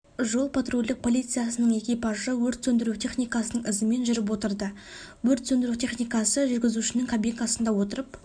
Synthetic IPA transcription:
ʒo̞lˠpʰat̪ɾulʲd̪ɪk̚pʰo̞lʲˠijt̪sɨjasənəɴe̞kʲijpɑʒəwɵɾt̪sɵnd̪ɪɾut̪ʲʰe̞χnijkasənəɴɪzɪme̞nʒʏɾɪp̬wo̞t̪əɾd̪ə | wɵɾt̪sɵnd̪ɪɾut̪ʰe̞χnijkasəʒʏɾɡʲɪzuʃɪnɪŋkʰabʲijlkasənd̪ɑwo̞t̪əɾəp

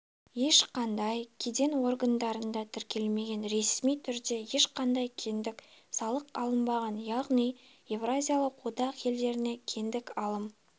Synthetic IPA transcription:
je̞ʃqɑnd̪ɑjkʲʰed̪e̞nwo̞rɡənd̪ɑɾənd̪ɑt̪ʰɪɾkʲe̞lme̞ɡʲe̞nɾe̞smijt̪ʰʏɾd̪e̞je̞ʃqɑnd̪ɑjkʲʰend̪ɪksɑlˠəqɑ̰lˠəmbɑʁɑnjɑʁnij | je̞vrazʲijalˠəqwod̪ɑqje̞ld̪e̞ɾɪne̞kʲʰe̞nd̪ɪkɑlˠəm

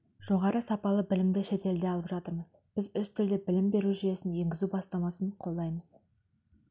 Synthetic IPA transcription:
ʒ̥o̞ʁɑɾəsɑpɑlˠəbɪlɪmd̪ɪʃe̞t̪e̞ld̪e̞ɑlˠəpʒɑt̪əɾməz̥b̥ɪzʏst̪ʰʏld̪e̞bɪlɪmbe̞ɾuʒʏje̞sɪnje̞ŋɡʲɪzubɑst̪ɑmɑsəɴqʰo̞lˠd̪ɑjməz̥

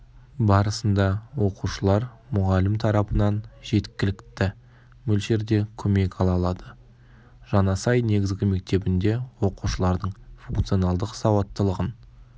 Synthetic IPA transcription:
bɑɾəsənd̪ɑwo̞quʃəlˠɑɾ | mʊʁɑlɪmt̪ʰɑɾɑpənɑnʒe̞t̪kʲɪlɪkt̪ɪ | mɵlʃe̞ɾd̪e̞kʲʰɵme̞kɑlˠɑlˠɑd̪ə | ʒ̥ɑnɑsɑjne̞ɡʲɪzɡʲɪme̞k̚t̪e̞bɪnd̪e̞wo̞quʃəlˠɑɾd̪əɴfuŋk̚t̪sijo̞nɑlˠd̪əqsɑwɑt̪ːəlˠəʁən

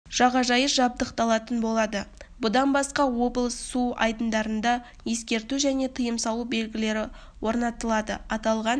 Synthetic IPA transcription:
ʒ̥ɑʁɑʒɑjəʒɑb̚d̪əqt̪ɑlˠɑt̪ənbo̞lˠɑd̪əbʊd̪ɑnbɑsqɑwo̞blˠssuɑ̰jd̪ənd̪ɑɾənd̪ɑ | je̞skʲe̞ɾt̪uʒæne̞t̪ʰəjəmsɑlˠube̞lɡʲɪle̞ɾɪ | wʔo̞ɾnɑt̪əlˠɑd̪ə̰ɑt̪ɑlˠʁɑn

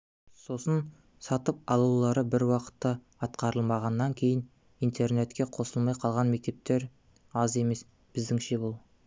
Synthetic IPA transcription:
so̞sən | sɑt̪əp̚ɑlˠulˠɑɾəbɪɾwɑqə̥t̪ːə | ɑt̪qɑɾəlˠmɑʁɑnːɑŋkʲʰe̞jɪn | ijnt̪ʰe̞rne̞t̪kʲe̞qʰo̞səlˠmɑjqʰɑlˠʁɑnme̞k̚t̪e̞p̚t̪e̞ɾ | ɑze̞me̞s | b̥ɪzd̪ɪŋʃe̞bʊlˠ

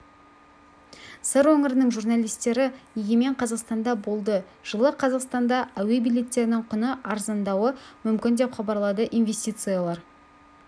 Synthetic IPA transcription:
səɾwɵŋɪɾɪnəŋʒurnɑlʲijst̪e̞ɾɪjeɡʲeme̞ɴqʰɑzɑqst̪ɑnd̪ɑbo̞lˠd̪ə | ʒ̥əlˠəqʰɑzɑqst̪ɑnd̪ɑæwe̞bijlʲe̞t̪ːe̞ɾɪnɪŋqʰʊnəʔɑɾzɑnd̪ɑwəmʏmkʲɪnd̪e̞pχɑbɑɾlˠɑd̪əʔinve̞sʲt̪ʲijt̪sɨjalˠɑɾ

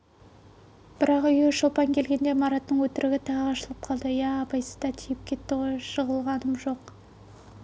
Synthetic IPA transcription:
b̥ɪɾɑqʏjeʃolˠpɑŋkʲʰe̞lɡʲe̞nd̪e̞mɑɾɑt̪ːəɴwɵt̪ɪɾɪɡʲɪt̪ʰɑʁəɑʃəlˠəp̚qʰɑlˠd̪əjæːpɑjsəzd̪ɑt̪ʲʰijɪp̚kʲʰe̞t̪ːɪʁo̞jʃəʁəlˠʁɑnəmʒo̞q

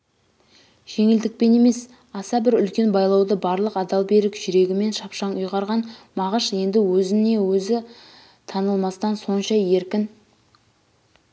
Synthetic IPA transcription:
ʒ̥e̞ŋɪld̪ɪk̚pe̞ne̞me̞s | ɑsɑbɪɾʏlkʲe̞nbɑjlˠɑwd̪əbɑɾlˠəqɑd̪ɑlˠbe̞ɾɪkʒ̥ʏɾe̞ɡʲɪme̞nʃɑpʃɑnʊjʁɑɾʁɑnmɑʁəʃje̞nd̪ɪwɵzɪne̞wɵzɪ | t̪ʰɑnəlˠmɑst̪ɑnso̞nʃɑje̞ɾkʲɪn

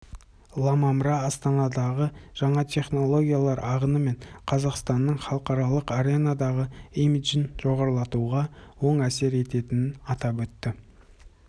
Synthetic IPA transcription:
lˠɑmɑmɾɑːst̪ɑnɑd̪ɑʁəʒ̥ɑɴɑt̪ʲʰe̞χno̞lˠo̞ɡʲijalˠɑɾʔɑʁənəme̞ɴqʰɑzɑqst̪ɑnːəɴχɑlˠəqɑɾɑlˠəqaɾe̞nɑd̪ɑʁəimiʒənʒ̥o̞ʁɑɾlˠɑt̪uʁɑwo̞ɴæse̞ɾe̞t̪e̞t̪ɪnɪnɑt̪ɑpwɵt̪ːɪ

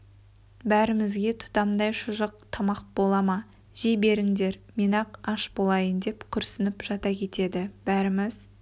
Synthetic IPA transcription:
bæɾɪmɪzɡʲe̞t̪ʰʊ̥t̪ɑmd̪ɑjʃʊʒəq̚t̪ʰɑmɑq̚bo̞lˠɑmɑ | ʒ̥ejbe̞ɾɪŋd̪e̞ɾmenɑqɑʃbolˠɑjənd̪e̞pkʲʰʏɾsɪnɪpʒ̥ɑt̪ɑkʲʰe̞t̪e̞d̪ɪb̥æɾɪmɪz

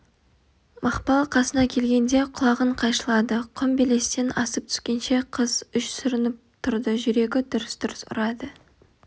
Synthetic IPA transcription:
mɑχpɑlˠqʰɑsənɑkʲʰe̞lɡʲe̞nd̪e̞qʰʊlˠɑʁəɴqʰɑjʃəlˠɑd̪əqʰʊmbɪle̞st̪enɑsəp̚t̪ʰʏ̥skʲe̞nʃe̞qʰəzʏʃsʏɾɪnɪp̚t̪ʰʊɾd̪əʒʏɾe̞ɡʲɪd̪ʊɾəsd̪ʊɾəsʊ̰ɾɑd̪ə

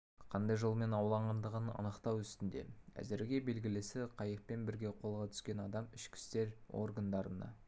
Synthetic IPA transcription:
qʰɑnd̪ɑjʒolˠme̞nɑwlˠɑɴʁɑnd̪əʁənɑ̰nəqt̪ɑwʏst̪ɪnd̪e̞̰æ̰zɪɾɡʲe̞be̞lɡʲɪlɪsɪqʰɑjəp̚pe̞nbɪɾɡʲe̞qʰo̞lˠʁɑt̪ʰʏ̥skʲe̞nɑd̪ɑmɪʃkʲʰɪ̥st̪e̞ɾo̞̰rɡənd̪ɑɾənɑ̰

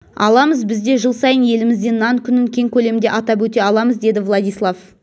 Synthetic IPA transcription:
ɑ̰lˠɑməzbɪzd̪e̞ʒəlˠsɑjənje̞lɪmɪzd̪e̞nːɑŋkʲʰʏnɪŋkʲʰe̞ŋkʲʰɵle̞md̪e̞ʔɑt̪ɑp̬wɵt̪e̞ɑlˠɑməzd̪e̞d̪ɪvlˠɑd̪ijslˠaf

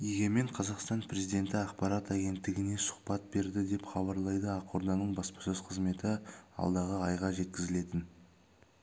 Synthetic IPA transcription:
jeɡʲe̞me̞ɴqʰɑzɑqst̪ɑnpʰɾe̞zijd̪ʲe̞nt̪ɪɑqpɑɾɑt̪æɡʲe̞nt̪ːɪɡʲɪne̞sʊ̥χpɑt̪̚be̞ɾd̪ɪd̪e̞pχɑbɑɾlˠɑjd̪əɑqʰo̞ɾd̪ɑnəɴbɑspɑ̥sɵz̥qʰəzme̞t̪ɪɑ̰lˠd̪ɑʁəɑjʁɑʒe̞t̪kʲɪzɪle̞t̪ɪn

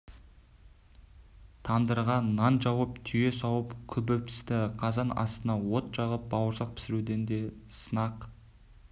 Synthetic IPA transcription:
t̪ʰɑnd̪əɾʁɑnːɑnʒɑwəpt̪ʰʏje̞sɑwəpkʲʰɵbɪp̚t̪ʰɪ̥st̪ɪqʰɑzɑnɑ̰st̪ənɑwo̞t̪ʒɑʁəp̚bɑwəɾsɑq̚pʰɪ̥sɪɾud̪e̞nd̪e̞sənɑq

